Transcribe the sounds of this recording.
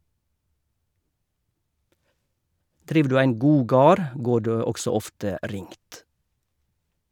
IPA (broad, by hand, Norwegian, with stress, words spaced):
ˈdɾiːʋ ˈdʉː ˈæɪn ˈɡuː ˈɡɑːɾ ˈɡoː ˈɖeː ˈɔksɔ ˈɔftə ˈɾɪŋt